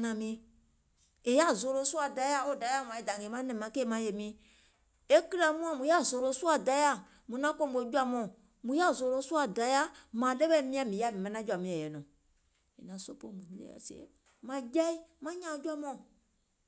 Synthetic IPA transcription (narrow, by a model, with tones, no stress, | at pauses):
nã˨mĩ˨ | e˨ja˦˨zo˨ɾo˨˦su˦a˨da˨ja˦o˦˨da˨ja˦˨m˨ã˨˦ɛ˦da˨ŋe˨mã˦nɛ̃˨mã˨˦ke˦˨mã˦je˨mĩ˨ | e˦ki˦ɾa˨mũ˦a˦˨mũ˨ja˦zo˨ɾo˨˦su˦a˨da˨ja˦ | mũ˨nã˦ko˦mu˨e˨˦d͡ʒu˦a˦mɔ̃˦ | mũ˨ja˦˨zo˨ɾo˦su˦a˨da˨ja˦mã˨dɛ˦bɛ˦mĩ˦a˦˨mĩ˨˦a˦˨mi˨mã˨nã˦d͡ʒu˦a˨mĩ˨˦ɛ˨jɛ˨nɔ̃˨ | ḛ˨nã˨so˦po˦mũ˨˦lḛ˦a̰˨sḛ˨˦ | mã˦d͡ʒa˦i˦mã˦ɲã˨˦d͡ʒa˦mɔ̃˦